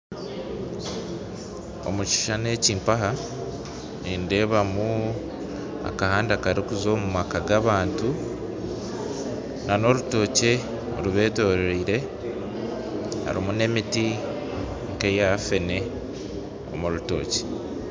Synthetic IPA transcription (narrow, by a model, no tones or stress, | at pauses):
o̰mut͡ʃi̥ʃane̞ːciːmpaɦa | ninde̞ːβamu | a̰kahaːndakaɾikuzo̞ːmumakaɡaβaːntu | nano̞ɾuto̞ːce̞ | uɾuβe̞ːto̞ːɾeɾeiɾe̞ | a̰ɾimune̞miti | ŋkejafe̞ne̞ | o̞̰muɾuto̞̰ːce̥